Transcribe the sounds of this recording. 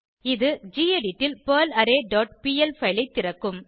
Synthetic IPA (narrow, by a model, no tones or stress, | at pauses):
ɪðɯd͡ʒiːeɖɪʈːɪlpɐːlɐɾeːɖoːʈ̚piːɛlfɐɪlɐɪt̪ːɪɾɐkːɯm